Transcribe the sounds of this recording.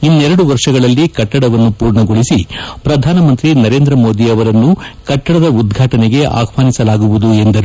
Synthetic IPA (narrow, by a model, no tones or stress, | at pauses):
inːɛɾɐɽuʋɐɾʂɐɡɐɭɐlːikɐʈːɐɽɐʋɐnːupuːɾɳɐɡo̞ɭisipɾɐd̪ʱaːnɐmɐnt̪ɾinɐɾe̞ːnd̪ɾɐmo̞ːd̪iɐʋɐɾɐnːukɐʈːɐɽɐd̪ɐud̪ɡʱaːʈɐneɡe̞ʔa̰ːkʰʋaːnisɐlaːɡuʋud̪ue̞nd̪ɐɾu